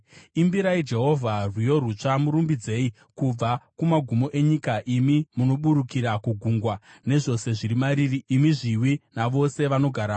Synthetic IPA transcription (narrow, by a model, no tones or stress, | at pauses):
imbiɾaid͡ʒe̞ɦo̞vʱarwijo̞ɾut͡ʂamuɾumbid͡ze̞i | kub͡vakumaɡʱumo̞ʔe̞ɲikaʔimimuno̞ɓuɾukiɾakuɡʱuŋɡwane̞ʐo̞se̞ʐiɾimaɾiriːmiʐiwinaʋo̞se̞ʋano̞ɡʱaɾaː